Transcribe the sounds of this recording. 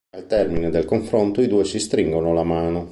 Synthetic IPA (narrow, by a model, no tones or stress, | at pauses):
alt̪ɛrmined̪elkoɱfɾont̪oid̪uːesist̪ɾiŋɡonolamaːno